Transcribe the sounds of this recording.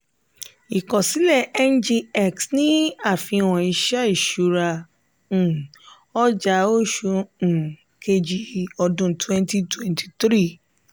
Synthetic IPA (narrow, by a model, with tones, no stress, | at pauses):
i˨kɔ̃˨si˨˦lɛ˦˨ɛ˦nd͡ʒi˧ɛ˦˨ksnĩ˨˦a˦˨fĩ˧wɔ̃˨i˧ʃa˦i˦˨ʃu˨˧ɾã˧˨ | ɔ˦d͡ʒa˧˦o˦ʃũ˧˨ | kʰe˧d͡ʒi˨ɔ˧dũ˧twɛ̃˦nti˦twɛ̃˨ntʰi̥˨t̪ɾi˦˨